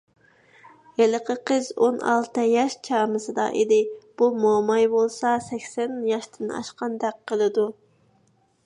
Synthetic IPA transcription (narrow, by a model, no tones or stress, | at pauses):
eləqʰəqʰəzonɑ̰lˠt̪ɨjɑʃt͡ʃʰɑːmɨsɨd̪ɑ̰ʔḭd̪ɪb̥umomɑjbolˠsɑsɛkʲsɛnjɑʃt̪ʰɪnɑ̰ʃqɑnd̪ɛk̚qʰːəlˠɨd̪u